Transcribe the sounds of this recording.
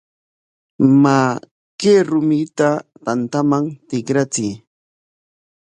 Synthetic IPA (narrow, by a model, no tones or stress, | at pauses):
ma | keɾʊmɪt̪at̪ant̪amaŋt̪ɪkɾat͡sɪj